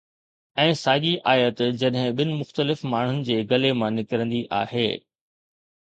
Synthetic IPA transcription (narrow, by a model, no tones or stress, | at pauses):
ɛ̃ːsaːɠiʔaːjət̪d͡ʑɐɗɦɪ̃ɓɪnɪ̆mʊxt̪əlɪfmaːɳ̤ʊnɪ̆d͡ʑeːɡɐlemãnɪkɪɾə̃nd̪iʔa̰ːɦḛː